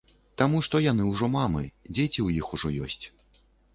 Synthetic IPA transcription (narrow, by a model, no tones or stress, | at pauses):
t̪amuʂt̪ɔjanɨwʐɔmamɨ̰d͡zʲet͡sʲiwjixuʐɔjɔ̰sʲt͡sʲ